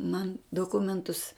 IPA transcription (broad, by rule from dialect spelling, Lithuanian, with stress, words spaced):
mɐn doːˈkʊmʲɛntʊs